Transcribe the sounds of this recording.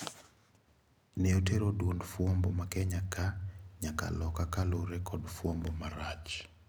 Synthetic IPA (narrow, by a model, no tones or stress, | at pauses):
neoteɾodwondfwombomakɛɲakaɲaka̰lɔkakaloɾɛkʰɔdfwombomaɾat͡ʃ